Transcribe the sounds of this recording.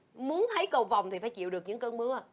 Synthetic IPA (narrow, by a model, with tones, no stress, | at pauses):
mu˨˦ənt̪ʰə˨˦jkə˧˩wva˨˩wŋ͡mt̪i˨˩faː˧˦jt͡ɕḭ˧˨wɗɨ˨˩ək̚ɲɨ̰˧˥ŋkəː˧nmɨ˨˦ə˧˨˩